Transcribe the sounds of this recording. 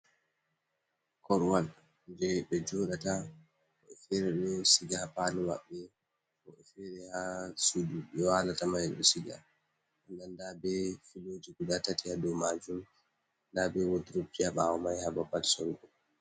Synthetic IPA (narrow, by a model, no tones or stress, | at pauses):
kɔɾwal | d͡ʒɛɓɛd͡ʒɔːɗata | ɔɛfɛɾɛɗɔsiɡahapaliwa̰ɓːɛ | kɔɛfɛɾɛhasuduɓɛwalatamajɗɔsiɡa̰ | ʔandandabɛfilod͡ʒiɡudatatihadɔwmad͡ʒum | ndabɛwodiɾob̚d͡ʒihaɓaɔmajhababalsɔŋɡɔ